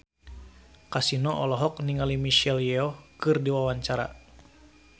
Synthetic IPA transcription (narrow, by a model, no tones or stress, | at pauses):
kasinɔʔɔlɔɦɔk̚niŋalimiʃɛljɛɔkɨrdiwawaɲt͡ʃaɾa̰